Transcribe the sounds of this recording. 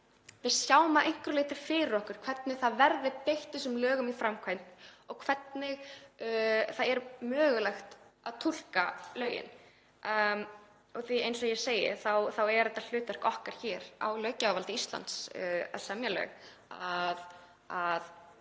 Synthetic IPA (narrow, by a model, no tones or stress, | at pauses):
vɪðsjaːwmaʔejŋ̥kɾʏleːjt̪ɪɾ̥fɪːɾɪɾɔhkʏɾ̥kʰv̥ɛt̪nɪɣθaðvɛɾðɪpejht̪ɪsʏmlœːɣʏmifɾamkʰvajn̥tnɔɣkʰvɛt̪nɪɣ | θaðɛɾmœːɣʏlɛxt̪aðt̪ʰul̥kalœːɥjɪ̰n | ɔɣθviejnsɔajɛ̥seːjɪ̰θawθawɛɾðɛt̪ːal̥ʏːt̪vɛr̥kɔhkaɾ̥çɛːɾa̰wlœːɥcawvalt̪ɪist̪la̰nt̪sa̰ðsɛmjalœ̰ːɣ | að | að